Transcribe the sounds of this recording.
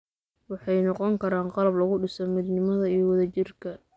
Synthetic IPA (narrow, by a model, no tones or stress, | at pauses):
wɑħɑjnɔqɔŋkʰɐɾaːnqɑlɐblɐɣʊɖɪsɔmɪd̪nɪmɐðɐiɔwɐðɐt͡ʃɪrkʰɐ